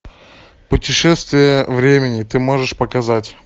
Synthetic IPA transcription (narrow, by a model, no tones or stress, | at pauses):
pʊtʲɪʂɛst̪vʲɪjəvɾʲemʲɪnʲɪt̪ɨmo̞ʐɨʂpəkɐzatʲ